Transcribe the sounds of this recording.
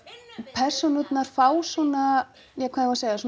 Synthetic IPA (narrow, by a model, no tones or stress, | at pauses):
pʰɛr̥sɔnʏt̪naɾ̥faːwsɔna | jɛkʰaːðɪaseːjasɔ